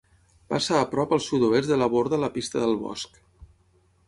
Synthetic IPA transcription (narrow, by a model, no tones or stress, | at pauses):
pa̰saːpɾɔpəlˠsut̪oest̪d̪ələβoɾðələpist̪əðəlˠβɔ̰sk